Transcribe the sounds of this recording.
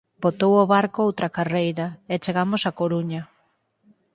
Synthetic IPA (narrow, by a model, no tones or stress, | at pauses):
bot̪owoβaɾkoowt̪ɾakarejɾɐɛt͡ʃeɣamosakoɾuɲɐ